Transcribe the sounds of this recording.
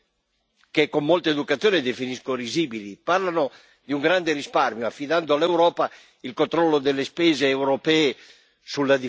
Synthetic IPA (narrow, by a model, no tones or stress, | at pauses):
kekːomːolt̪eːd̪ukat̪sjoːned̪efiniskoɾiziːbiliparlano | d̪iuŋɡɾand̪eɾisparmjoafːid̪and̪oalːewɾɔːpa | ilkont̪ɾɔlːod̪elːespɛːzeːwɾopɛːe | sulːad̪i